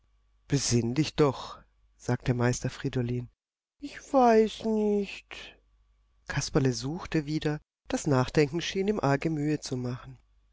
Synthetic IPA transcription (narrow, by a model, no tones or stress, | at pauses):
b̥əzɪndɪçd̥ɔχ | z̥aːk̚tdəmaɪstɐfʁ̥idoliːn | ʔɪçv̥aɪsnɪçt | kʰaspaləzuːxtəviːdɐ | d̥asnaːχd̥ɛŋkŋ̩ʃiːnɪmʔaɐɡəmyːət͡sumaχn̩